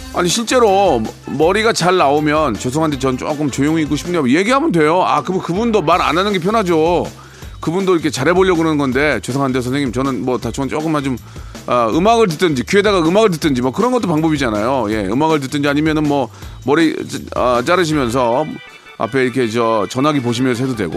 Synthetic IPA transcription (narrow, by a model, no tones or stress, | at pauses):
a̰ɲiɕʰiɭt͡ɕ͈e̞ɾo | mʌɾiɡat͡ɕaɭːaomjʌnt͡ɕos̬ʰʌŋɦandet͡ɕʌnɯnt͡ɕ͈o̰k͈ɯmt͡ɕojoŋiik͈oɕʰipʰɯnɲaje̞ɡiɦamʌndwe̞joa̰kɯbunkɯbundomaɾa̰nanɯnɡepʰjʌnɦad͡ʑo | kɯbundoiɾkʰe̞t͡ɕaɾɦe̞boʎːʌɡɯɾʌnɯnɡʌnde̞t͡ɕosʰʌŋɦandesʰʌnseŋimt͡ɕʌnɯnmwʌtat͡ɕokɯt͡ɕ͈ok͈ɯmad͡ʑomʌɯmaɡɯɭt̬ɯt͈ɯnd͡ʑikye̞daɡaɯmaɡɯɭt̬ɯt͈ɯnd͡ʑimoʌkɯɾʌnɡʌt͈opaŋbʌbid͡ʑanajoje̞ɯ̰maɡɯɭt̬ɯt͈ɯnd͡ʑiaɲimjʌnɯnmʌmʌɾiʌt͡ɕ͈aɾɯɕ̬ʰimjʌns̬ʰʌ | a̰pʰe̞iɾʌkʰe̞t͡ɕʌt͡ɕʌnɦaɡipoɕ̬ʰimjʌns̬ʌɦedodwḛɡo̰